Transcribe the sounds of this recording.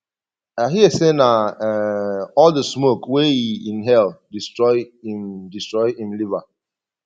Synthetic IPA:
aɦiesena | ɔldəsmokweiĩnɦɛldistɹɔɪimdistɹɔɪhĩmliva

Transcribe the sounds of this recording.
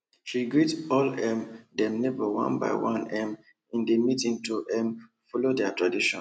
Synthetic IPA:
ʃiɡɹitɔlɛmdɛ̃mnebəwã̰nba̰ɪwãnɛm | ĩndemitĩŋtuʔɛm | fɔlodɛtɹadiʃɔ̰̃

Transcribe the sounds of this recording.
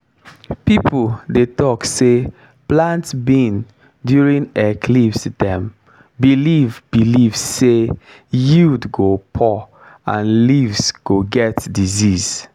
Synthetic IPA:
pipldetɔkse | plãntsbĩn | djuɹĩnɛkʰlivsdɛ̃m | bilivbilivsːe | judɡopʰɔ | ãnlivsɡ̥oɡɛtdiziz̥

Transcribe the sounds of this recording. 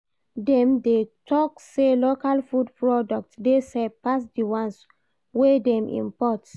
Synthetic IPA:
dɛ̃mdetʰɔkselokalfudpɹɔdɔk̚tdesɛpasdiwãns | wedɛ̃mḭ̃mpɔt

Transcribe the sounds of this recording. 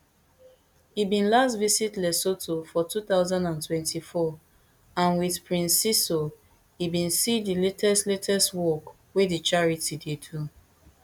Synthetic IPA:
hibĩnlastvisitlɛsotʰofɔtuθaʊzãndãntwɛ̃ntʰifɔ | ãnwiðpɹĩnsiso | hibĩnsidiletʰɛstletʰɛstwɔk | wedit͡ʃaɹitidedu

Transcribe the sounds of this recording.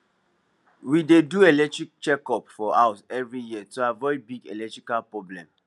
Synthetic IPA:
wideduelɛk̚tɹik̚t͡ʃɛkɔpfɔʔaʊsɛvɹijiətuavɔibiɡḛlɛk̚tɹikalpɹɔblɛ̰̃m

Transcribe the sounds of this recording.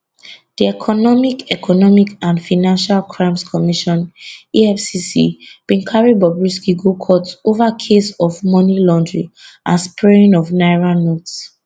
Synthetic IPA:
d̥iɛkʰɔnɔmikɛkʰɔnɔmikãnfaɪnãnʃalkʰɹãɪ̃mskʰɔmiʃɔ̃niɛfsisḭb̥ĩŋkʰaɹibɔbɹiskiɡokʰɔtsovakʰesɔvmɔ̃nilɔ̃ndɹiʔãnspɹeĩnɔvnaɪɹãnots

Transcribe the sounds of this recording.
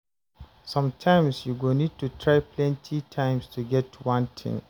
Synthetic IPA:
sʌ̃mtʰãɪ̃msjuɡonid̚tʰutʰɹaɪpʰlɛ̃ntʰitʰãɪ̃mstʰuɡɛtʰwãntʰɪ̰̃ŋ

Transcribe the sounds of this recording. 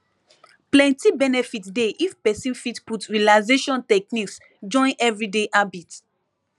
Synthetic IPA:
plɛ̃ntibɛnɛfitdeʔifpɛsĩnfitputɹialaɪzeʃɔ̃ntɛk̚niks | d͡ʒɔ̃ɪ̃nʔɛvɹideʔabit

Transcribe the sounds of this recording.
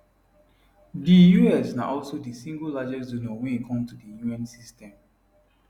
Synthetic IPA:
dijuɛsna̰ʔɔlsodəsĩŋɡəllad͡ʒɛksdonɔwɛ̃nikʰɔ̃mtudəjuɛ̃nsistɛ̃m

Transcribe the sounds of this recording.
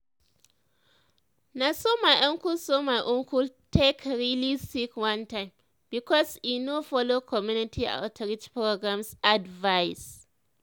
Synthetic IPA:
nasomajʔɛ̃ŋkulsomajʔʊ̃ŋkultʰekɾilisikwãntãɪ̃m | bikɔsinofɔlokʰɔmjunitʰia̰ʊtʰɾit͡ʃpɹoɡɾãmsadvaɪs

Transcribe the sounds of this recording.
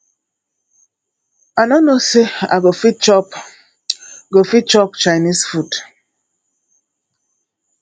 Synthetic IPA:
anonosea̰ɡofit͡ʃɔp | ɡofit͡ʃɔp̚t͡ʃajnisfut

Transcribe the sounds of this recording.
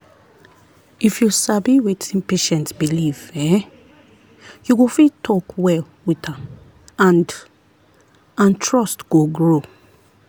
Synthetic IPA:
ifjusabiwetʰĩnpeʃɛ̃ntsbilivɛ̃ | juɡofitʰɔkwɛl | witãm | ãn | ãntʰɹɔstɡ̥oɡɹo

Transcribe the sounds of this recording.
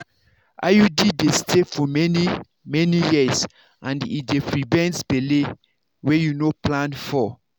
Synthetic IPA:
ʔa̰judidestʰefɔmɛni | mɛnijiz | ãndidepɹivɛ̃nsbele | wejunoplãnfɔ

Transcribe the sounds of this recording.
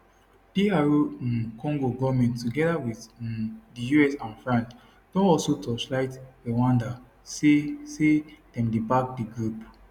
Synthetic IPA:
d̥iaɹũkʰɔ̃ŋɡoɡɔmɛ̃nttːuɡɛdawiθdəjuɛsãnfɹãns | d̥ɔ̃nɔsotɔslaɪtɛwãnda | sesed̥ɛ̃mdibak̚diɡɹup

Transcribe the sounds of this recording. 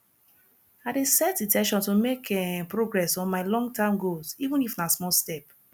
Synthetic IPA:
adesɛtĩtʰɛ̃ʃɔ̃ntomekʰɛpɹoɡɹɛsɔ̃nmaɪlɔ̃ŋɡtãɪ̃mɡozivũnifnasmɔlstɛp

